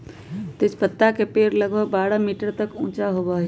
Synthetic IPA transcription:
t̪ɪt͡ʃpət̪ːakepeːɾləɡbʱəɡ̚baːɾamiːʈəɾt̪əkũːt͡ʃaɦoba

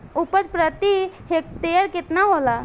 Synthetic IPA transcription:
upət͡spɾət̪iɦek̚t̪eəɾkɪt̪naɦola

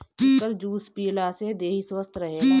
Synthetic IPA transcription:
ɪkəɾd͡ʒuːspiːlased̪eːɦiswəst̪ʰɾəɦeːɡaː

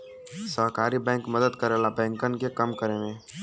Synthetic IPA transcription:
səɦkaːɾibɛ̃ːŋkmɐd̪əd̪kəɾelabɛ̃ːŋkənkekɐmkəɾemẽː

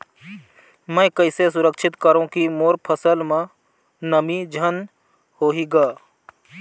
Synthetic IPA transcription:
mɛ̃ːkɐɪses̬ʊɾəkʃɪt̪kəɾõkimoːɾpʰəsəlmẽ | nɐmid͡ʒʱɐn | hoːɦiɡaː

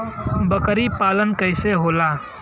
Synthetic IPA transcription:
bəkɾipaːlənkəɪseɦoːlaː

